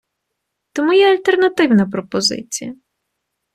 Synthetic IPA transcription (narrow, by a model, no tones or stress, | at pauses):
t̪ɔmujɛɐlʲt̪ernɐt̪ɪwnɐpɾɔpɔzɪ̰t͡sʲḭjɐ